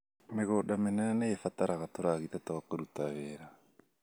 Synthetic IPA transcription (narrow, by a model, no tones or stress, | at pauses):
meɣoɗamenaanajefataɾʔaɣatoɾaɣit̪atoɣakoɾutaβeɾa